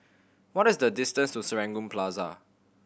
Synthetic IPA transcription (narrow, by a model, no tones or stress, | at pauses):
wɔtɪsdədɪstə̃nstusəɹɛ̃ŋɡũmpʰlaza̰